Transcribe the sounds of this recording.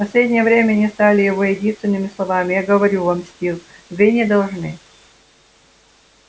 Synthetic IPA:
pɐsʲlʲedʲnʲɪjəvɾʲemʲənʲɪst̪alʲɪjɪvojɪdʲinst̪vʲɪnːɨmʲɪslˠɐvamʲɪjaɡəvɐɾʲuvamsʲtʲilˠvɨnʲɪd̪ɐlˠʐnɨ

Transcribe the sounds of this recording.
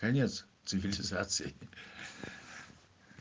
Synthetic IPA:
kɐnʲet̪st̪sɨvʲɪlʲɪzat̪sɨ̰jɪ

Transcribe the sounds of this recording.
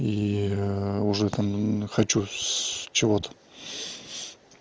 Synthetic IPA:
i | ʊʐɛt̪ʰamχat͡ɕu | t͡ʃʰɪvot̪ə̥

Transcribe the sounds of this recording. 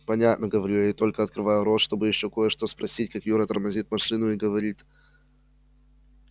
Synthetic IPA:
pɐnʲat̪nəɡəvɐɾʲujaɪt̪o̞lʲkəɐt̪kɾɨvajʊɾot̪ʂt̪o̞bɨjɪɕːo̞ko̞jəʂt̪o̞spɾɐsʲitʲkakjuɾət̪ərmɐzʲit̪mɐʂɨnʊiɡəvɐɾʲit̪

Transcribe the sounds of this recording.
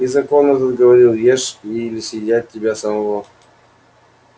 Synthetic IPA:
izɐkonət̪əd̪ɡəvɐɾʲilˠjeʂilʲɪsʲjʲɪdʲæt̚ʲːɪbʲasəmɐvo

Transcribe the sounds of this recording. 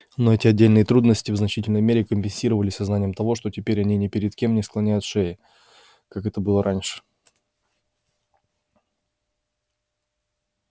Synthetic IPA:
noɛtʲɪɐdʲːelʲnɨjət̪ɾud̪nəsʲtʲɪvznɐt͡ɕitʲɪlʲnəjmʲeɾʲɪkəmʲpʲɪnʲsʲiɾəvəlʲɪsʲsɐznanʲɪjəmt̪ɐvo̞ʂt̪o̞tʲɪpʲeɾʲɐnʲinʲɪpʲɪɾʲɪt̪kʲe̞mnʲɪsklˠɐnʲæjʊt̪ʂeɪ | kakɛt̪əbɨlˠəɾʔanʲʂɨ̥

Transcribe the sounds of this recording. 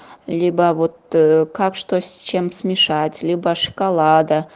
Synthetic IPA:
lʲibɐvot̪̚kɑkʂt̪ost͡ʃemsmʲɪʂatʲlʲibɐʂɨ̥kalˠɑd̪a

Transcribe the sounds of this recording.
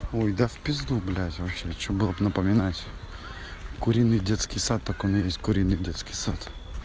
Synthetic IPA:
ojd̪afʲpʲɪzd̪ublʲatʲvɐpɕet͡ɕobɨlˠəbnɐpəmʲɪnatʲ | kʊɾʲinːɨjdʲet̪skʲɪjsat̪ːakɔnɨjesʲtʲkʊɾʲinːɨjdʲet̪skʲɪjsat̪

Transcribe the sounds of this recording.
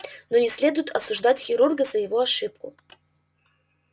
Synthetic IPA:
nonʲɪsʲlʲe̞d̪ʊjʊt̪ʰɐ̰suʐd̪atʲxʲɪɾurɡəzɐjɪvoɐʂɨp̚kʊ̰

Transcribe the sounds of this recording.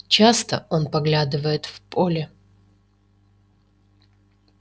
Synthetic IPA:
t͡ɕast̪ə̰o̞npɐɡlʲad̪ɨvəjɪt̪fpo̞lʲɪ

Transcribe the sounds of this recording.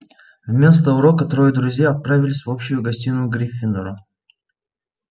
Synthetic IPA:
vmʲe̞s̬t̪əʊɾokət̪ɾojəd̪ɾʊzʲjaɐt̪̚pɾavʲɪlʲɪsʲvopɕʊjʊɡɐsʲtʲinʊɡɾʲifʲːɪnd̪əɾʊ

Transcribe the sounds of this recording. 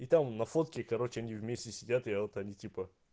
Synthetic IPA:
it̪amnɐfo̞t̪̚kʲɪkɐɾo̞t͡ɕɪɐnʲivmʲesʲtʲɪsʲɪdʲat̪ɨot̪ɐnʲitʲipə

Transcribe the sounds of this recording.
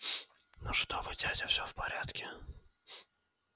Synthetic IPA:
nuʂt̪ovɨdʲadʲəfsʲɵfpɐɾʲat̪kʲɪ

